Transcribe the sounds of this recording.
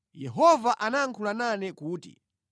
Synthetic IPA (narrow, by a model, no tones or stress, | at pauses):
jɛɦɔvaʔanaŋkʰulananɛkuːtḭ